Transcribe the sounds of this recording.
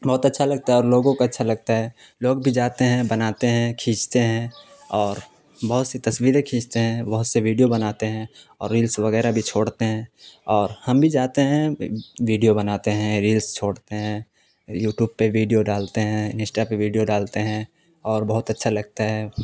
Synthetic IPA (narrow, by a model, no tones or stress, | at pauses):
bɐɦʊt̪ɐtːʃʰalɐɡ̚t̪aɦɛɔːɾloːɡõkoɐtːʃʰalɐɡ̚t̪aɦɛː | loːɡbʱid͡ʒaːt̪eɦɛ̃bɐnaːt̪eɦɛ̃kʰĩːt͡ʃt̪eɦɛ̃ | ɔːɾ | bɐɦʊt̪set̪ɐswiːɾẽkʰĩːt͡ʃt̪eɦɛ̃bɐɦʊt̪seʋiːɖijobɐnaːt̪eɦɛ̃ɔːɾːiːlsʋɐɣɛːɾabʱit͡ʃʰoːɽt̪eɦɛ̃ːɔːɾhɐmbʱid͡ʒaːt̪eɦɛ̃ʋiːɖijobɐnaːt̪eɦɛ̃ɾiːlst͡ʃʰoːɽt̪eɦɛ̃ | juːʈjuːb̚peʋiːɖijoɖaːlt̪eɦɛ̃nsʈapeʋiːɖijoɖaːlt̪eɦɛ̃ | ɔːɾbɐɦʊt̪ɐtːʃʰalɐɡ̚t̪aɦɛː